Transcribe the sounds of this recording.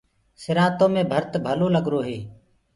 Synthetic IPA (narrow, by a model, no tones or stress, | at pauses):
sɪɾãːt̪õːmẽːbʱəɾt̪bʱəloːləɡɾoːɦeː